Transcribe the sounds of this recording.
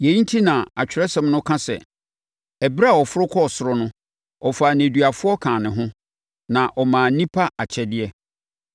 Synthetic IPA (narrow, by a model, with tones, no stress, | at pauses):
jɛ˨˦n̩˦tʰi˦nã˨a˨t͡ɕᶣʰɪ˨ɾɛ˦sɛ̃˨mnʊ̃˦kʰã˦sɛ̰˨ | ɛ˨bɾa˦˨ɔ˨fʊ˦ɾʊ˦kʰɔ˦˨sʊ˨ɾʊ˦nʊ̃˦ | ɔ˨fa˨nẽ˨dɥa˨fʊ˦ɔ˦kʰãː˨nɪ̃˨ɦʊ̃˦ | nã˨ʔɔ˨mãː˨nĩ˦pʰa˦a˨t͡ɕʰɛ˨dɪ˦ɛ˦